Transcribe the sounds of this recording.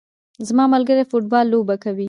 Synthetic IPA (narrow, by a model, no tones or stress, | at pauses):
zmɑmʊlɡəɾefoʈ̚bɑlːobakawi